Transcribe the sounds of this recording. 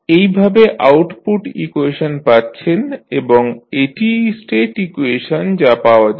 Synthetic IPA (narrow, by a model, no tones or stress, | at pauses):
ejbʱabeʔa̰wʈpuʈḭkueʃonpatːɕʰeneboŋeʈisʈeʈikueʃond͡ʑapaoad͡ʑa